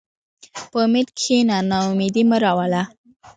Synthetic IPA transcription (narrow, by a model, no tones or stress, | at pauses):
pəmɪt̪kʰinanaumid̪iməɾawala